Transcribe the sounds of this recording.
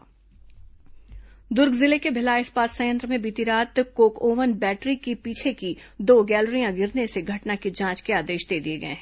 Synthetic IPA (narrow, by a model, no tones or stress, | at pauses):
d̪ʊɾɡzɪlekebʱɪlaːɪspaːsɐjə̃nt̪ɾəmẽbiːt̪iɾaːt̪koːkoːʋənbɛːʈɾikipiːt͡ʃʰekid̪oːɡɛːlɾijãɡɪɾneseɡʱɐʈnakid͡ʒãːt͡ʃkeaːd̪eːʃd̪eːd̪ieɡɐḛ̃ɦ